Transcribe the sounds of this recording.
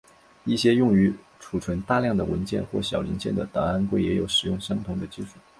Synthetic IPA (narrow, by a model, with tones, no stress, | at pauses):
i˥˩ɕjɛ˥jʊ˥˩ŋy˧˥ | ʈ͡ʂʰu˨˩ʈ͡ʂʰwə˧˥nt̪a˥˧ljɑ˥˩ŋd̪ə˩wə˧˥nt͡ɕjɛ̰˥˧nxwɔ̰˥˩ɕjɑ˨˩ʊli˧˥nt͡ɕjɛ˥˩nd̪ə˩t̪ɑ˨˩ŋa˥nkwe˥˩ɪjɛ˧˥jo˨˩ʊʂɻ̩˨˩jʊ˥˩ŋɕɑ˥ŋt̪ʰʊ˧˥ŋd̪ə˧t͡ɕi˥˧ʂu˥˩